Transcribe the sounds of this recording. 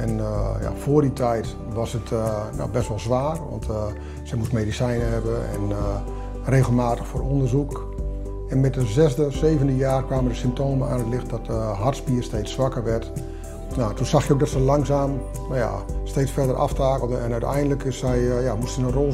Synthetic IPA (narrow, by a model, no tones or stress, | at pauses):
ɛnja̰foːrditʰɛjt | ʋɔsətno̰bɛstʋɔlˠzʋaːrʋɔ̰nt | sɛjmustmedisɛjnəɦɛbəɛ̰n | reːɣəlˠmaːtəxfoːɾondərzuk | ɛnmɛtdəzɛzdəseːvəndəjaːrkʋaːmədəsɪmp̚toːməa̰ːnətlɪxt̚dɔtɦartspiːərsteːt͡ssːʋakərʋɛrt | notunsaxjəowkdɔtsəlaŋsaːm | naja̰steːt͡sfɛdərʔa̰ftaːkəlˠdənɛnœɥtɛ̰jndələkɪsɛjjamustsənənro